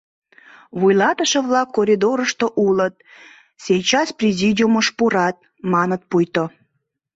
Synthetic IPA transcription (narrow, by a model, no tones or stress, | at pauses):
βujlɑt̪əʃə̆βlɑkːoɾʲid̪oɾəʃt̪oʔulət̪̚ | sʲejt͡ɕɑsprʲezʲid̪ʲiuməʃpuɾɑt̪̚ | mɑnət̪̚pujt̪o